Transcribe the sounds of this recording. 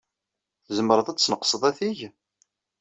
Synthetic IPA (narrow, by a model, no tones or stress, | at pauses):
θzəməɾˤəðæt͡sːnəqsˤəðˤæθiʝ